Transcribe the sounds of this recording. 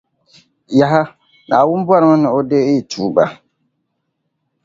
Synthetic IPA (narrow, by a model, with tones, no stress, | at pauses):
ja˨ɦa˦ | naː˨wʊ˦m˦ba˦ɾma˦nɪ˨o˦de˦ɪ˦˨tʰuː˨˦˨ba˨